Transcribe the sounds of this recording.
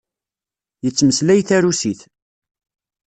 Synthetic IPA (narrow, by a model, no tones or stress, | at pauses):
jət͡sːməslæjθæɾusiθ